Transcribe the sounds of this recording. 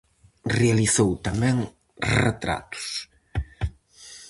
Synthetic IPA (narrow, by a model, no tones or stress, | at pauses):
realiθowt̪amɛŋ | ret̪ɾa̰t̪u̥s